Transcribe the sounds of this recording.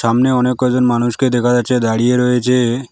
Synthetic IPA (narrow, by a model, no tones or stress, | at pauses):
amneɔnekːɔɛd͡ʑonmanuʃked̪ɛkʰad͡ʑaːt͡ɕʰed̪aɽieɾoet͡ɕʰe